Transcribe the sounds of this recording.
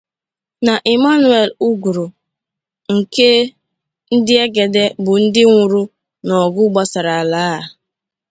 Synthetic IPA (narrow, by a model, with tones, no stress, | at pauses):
na˨ʔi˨ma˦nu˨˦e˨lu˦ɡu˨ɾʊ˨ | ŋ̩˨ke˦ | n̩˦dɪ˦e˦ɡe˨de˦bʊ˨n̩˦dɪ˦ŋʷʊ˨ɾu˦ | nɔ˨ɡʊ˦ɡ͡ba˦sa˨ɾa˨a˨laː˦a˨